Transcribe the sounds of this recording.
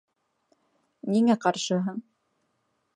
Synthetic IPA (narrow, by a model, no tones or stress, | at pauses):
niŋæqɑɾʃɤɦɤɴ